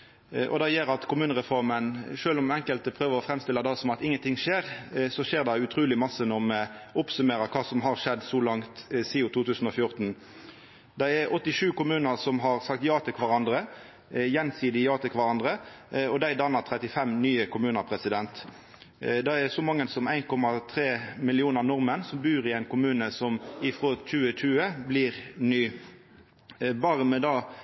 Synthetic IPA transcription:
ʔɔ̰d̪ɛjeːɾɑt̪kʰʊmʉːnəʁɛfɔʁmənʂøːlɔmɛŋkəlt̪əpʰɾøːʋəʁɔfɾɛmst̪ɪləd̪ɑsɔmɑt̪ɪŋːənt̪ʰɪŋːʂeːʁsɔʃeːʁd̪ɑʉt̪ʰɾuːlɪmɑsənɔʁmɛʊpsʉmeːɾəkʰɑːsɔmɦɑʁʂɛd̪ːsɔlɑŋt̪siːʊt̪ʰuːt̪ʉːsn̩ɔfjʊʁt̪n | d̪æɪɛʔɔt̪ːɪʂʉːkʊmʉːnəʁsɔmɦɑʁsɑkt̪jɑːt̪ʰɛkʰʋɑʁɑnd̪ʁə | jɛnsiːd̪ɪjɑːt̪əkʰʋɑʁɑnd̪ʁə | ɔd̪æɪd̪ɑnːəʁt̪ʰʁɛt̪ɪfɛmnyːəkʊmʉːnəpʰʁɛsɪd̪ɛnt̪ | d̪ɛɛsɔmɑŋːənsɔmæɪnkʰɔmɑt̪ʰʁeːmɪlɪuːnənɔʁmənsɔmbʉːʁɪæɪnkʊmʉːnəsɔmɪfʁoːt͡ʃʉːəc͡çʉːəblɪːʁnyː | bɑːʁəmɛd̪ɑː

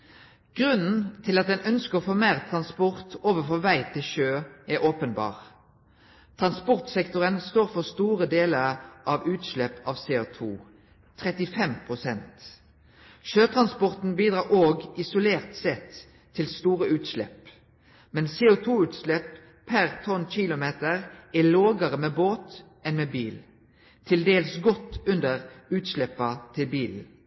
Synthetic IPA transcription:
ɡ̥ʁʉnn̩t̪ʰɪlɑt̪̚d̪ɛnœnskəʁɔfoːmeːʁt̪ʰʁɑnspɔʁt̪oːʋəfɔʋæɪt̪ʰɪlʃøːɛʁʔoːpənbɑ̰ːʁ | t̪ʰʁɑnspɔʁt̪sɛkt̪ʊʁənst̪oːʁfɔʁst̪uːʁəd̪eːləʁʔɑʋʉːt̪ʃlɛpɑʋseːʊt̪ʰṵː | t̪ʰʁɛt̪ɪfɛmpʰʁʊsɛnt̪ | ʃøːt̪ʰʁɑnspɔʁt̪n̩biːd̪ʁɑːʁoːɡɪsʊleːʁt̪sɛt̪ʰː | ɪlst̪uːʁəʉːt̪ʃlɛ̰p | mɛnseːʊt̪ʰuːʉːt̪ʃlɛpʰ | æʁt̪ʰɔnçɪlʊmeːt̪əʁæloːɡəʁəmeːboːt̪ | ɛnmeːbiːl | t̪ʰɪld̪eːləsɡɔt̪ʉnd̪əʁʉːt̪ʃlɛpɑt̪ʰɪlbiːl

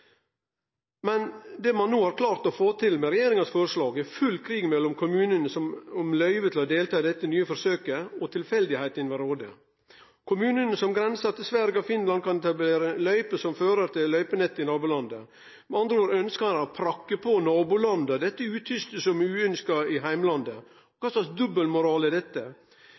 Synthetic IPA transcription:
mɛnd̪ɛmɑnːoːhɑɾkʰlɑːɾt̪ɔfoːt̪ʰɪlmɛɾɛjeːɾɪŋɑsfɔɾəʂlɑːɡɛfʉlkʰɾiːɡmɛlːɔmkʰʊmʉːnənəsɔmɔmlœʏʋət̪ʰɪlɔd̪eːlt̪ʰɑːd̪ɛt̪ːənyːəfɔɾsøːkəɔt̪ʰɪlfɛld̪ɪhæɪt̪ɪnʋɛɾoːd̪ə̰ | kʰʊmʉːnənsɔmɡɾɛnsɑt̪ːəsʋæɾɡɑfɪnlɑnd̪kʰɑnɛt̪ɑbleːɾəlœʏpəsɔmføːɾəɾt̪ʰɪllœʏpənɛt̪ːɪnɑːbulɑnd̪ə | mɑnd̪ɾəoːɾœnskɑɑnɑpʰɾɑkːəpʰɔnɑːbʊlɑnd̪əd̪ɛt̪ːəʉːt̪ʰʏst̪əsɔmʉːœnskɑɪɦæɪmlɑnd̪ə | ɔkʰɑːslɑksd̪ʉbəlmʊɾɑːləd̪ɛt̪ːə

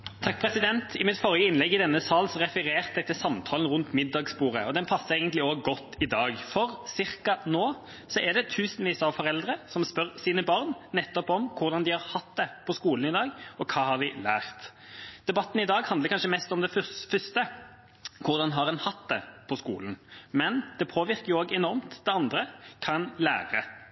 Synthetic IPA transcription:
t̪ʰɑk̚ːpʰɾɛsɪd̪ɛnt̪ʰɪmɪt̪fɔʁjəɪnlɛɡːɪd̪ɛnːəsɑːlsɔɾɛfəɾeːʁt̪d̪ɛt̪ʰɪlsɑmt̪ʰɑːlən̩ʁʉnt̪mɪd̪ːɑɡspuːʁəɔd̪ɛnpʰɑsːəʁeːɡənt̪lɪoːɡɡɔt̪ːɪd̪ɑːɡfɔʁsɪʁkɑnoː | sɔʔɛʁd̪ɛt̪ʰʉːsənʋiːsɑʋfɔʁɛld̪ʁəsɔmspœʁsiːnəbɑʁnːɛt̪ːɔpɔmkʰʊʁd̪ɑnd̪ɪhɑʁhɑt̪d̪ɛpʰɔskuːlən̩ɪd̪ɑːɡɔkʰɑːhɑʁd̪ɪlæːɾt̪d̪̥ɛbɑt̪ːənɪd̪ɑːɡhɑnd̪əɾkʰɑnʃəmɛst̪ɔmd̪ɛffʏst̪ə | kʰʊʁd̪ɑnɦɑʁɛnhɑt̪d̪ɛ̰pʰɔskṵːlənmɛnd̪̥ɛpʰoːʋɪʁkəjʊoːɡɛnɔɾmt̪d̪ɛɑnd̪ɾəkʰɑnlæ̰ːɾə

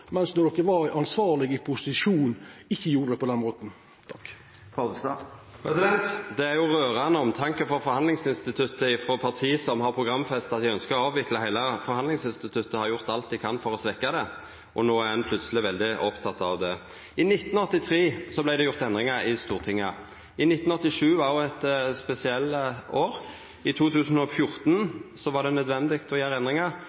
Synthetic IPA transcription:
mɛnsnɔd̪ɔkːəʋɑɾæʔɑnsʋɑːɾlɪɡɪpʰʊsɪʃuːnɪçːəjuːɾəd̪ɛpɔd̪ɛnmoːt̪n̩ | t̪ʰɑkː | pɑd̪st̪ɑ̰pʰɾɛsɪd̪ɛnt̪d̪ɛæɾjʊɾøːʁɑnəɔmt̪ʰɑŋkəfɔɾfɔɾhɑnd̪lɪŋsɪnst̪ɪt̪ʰʉt̪ːəɪfɾoːpʰɑʁt̪ʰiːsɔmhɑɾpʰɾʊɡʁɑmːfɛst̪ɑt̪̚d̪ɪœnskəɾɔɑːʋɪkləhæɪləfɔɾhɑnd̪lɪŋsɪnst̪ɪt̪ʰʉt̪ːəhɑɾjʊʁt̪ɑlt̪d̪ɪkʰɑnːfɔɾɔsʋɛkːɑd̪ɛ | ʔɔnoːæɾɛnpʰlʉt̪səlɪʋɛld̪ɪʔɔpt̪ʰɑt̪ːɑʋd̪ɛ | ɪnɪt̪ːnɔt̪ːɪt̪ʰɾeːsɔblæɪd̪ɛjʊɾt̪ɛnd̪ɾɪŋɑɾɪst̪uːʁt̪ʰɪŋːə | ɪnɪt̪ːn̩ɔt̪ːɪʂʉːʋɑjʊɛt̪spɛsɪɛlːoːɾ | ɪt̪ʰuːt̪ʰʉːsn̩ɔfjʊɾt̪nsɔʋɑʁɖ̪ɛnœd̪ʋɛnd̪ɪkt̪ɔjæːɾəɛnd̪ɾɪŋɑ

